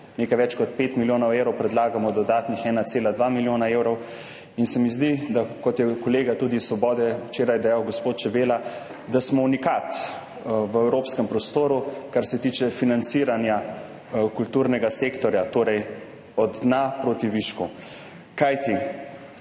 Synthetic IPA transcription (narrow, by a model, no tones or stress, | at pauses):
neːkajʋɛt͡ʃkɔt̪peːt̪miljoːnɔwewɾɔwpɾɛd̪laːɡamɔd̪ɔd̪aːt̪nixɛːnat̪seːlad̪ʋamiljoːnaewɾɔw | insɛmizd̪id̪akɔt̪jɛkɔleːɡat̪uːd̪isːʋɔbɔːd̪ɛwt͡ʃeːɾajɛd̪ajawɡɔspoːt̪t͡ʃɛbeːla | d̪asmɔunikat̪ | ʋəɛwɾopskɛmpɾɔst̪oːɾukaɾsɛt̪iːt͡ʃɛfinant̪siːɾanja | kult̪uːɾnɛɡasekt̪ɔɾjat̪oːɾɛj | ɔd̪d̪napɾoːt̪iʋiʃku | kajt̪i